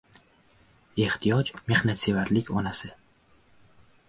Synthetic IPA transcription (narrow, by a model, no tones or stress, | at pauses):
e̞ht̪ʰijɒd͡ʒme̞hnat̪sevaɾlɪkʲɒnasɪ